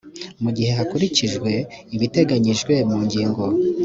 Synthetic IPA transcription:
muɟihe̞ɦakuɾiciʒɡwe̞iβite̞ɡaɲiʒɡwe̞muːɲɟiːŋɡo̞

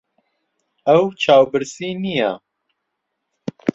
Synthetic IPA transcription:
ɐwt͡ʃʰaːwbɨɾsinija̰

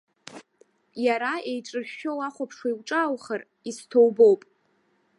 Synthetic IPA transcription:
jaɾaejʈ͡ʂʼɨχᶣʃᶣowaχʷapʰʂwaiwʈ͡ʂʼaːwχər | istʰo̞wbo̞wpʼ

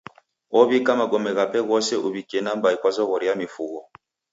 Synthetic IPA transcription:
ɔβikamaɡɔmɛɣapɛɣɔsɛʔuβikiɛnambaikwazɔɣɔɾijamifuɣɔ

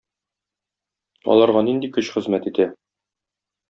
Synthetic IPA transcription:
ɒ̰lˠɑɾʁɑnind̪ikɵɕχɘ̆zmæt̪it̪æ

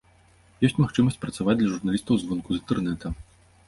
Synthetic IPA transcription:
jɔsʲtʲmaxt͡ʂɨmɐsʲt͡sʲpɾɐt̪savad͡zʲd̪lʲɐʐurnalʲist̪ɐwzvɔnkuzɨnt̪ɛrnɛt̪ʰɐ

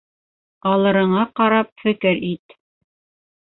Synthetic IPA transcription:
ɑlˠɤ̆ɾɤ̆ɴɑqɑɾɑp̚fɘ̆kɘɾit̪

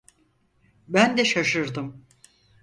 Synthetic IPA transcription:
bænd̪ɛʃaʃɯɾd̪ɯm

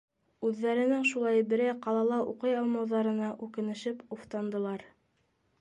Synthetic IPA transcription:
ʉðːæɾɘ̆nɘŋʃulˠɑjbɘ̆ɾæjqɑlˠɑlˠɑʔuqɤjɑlˠmɑwðɑɾɤ̆nɑʔʉkɘ̆nɘ̆ʃɘpuft̪ɑnd̪ɤ̆lˠɑɾ

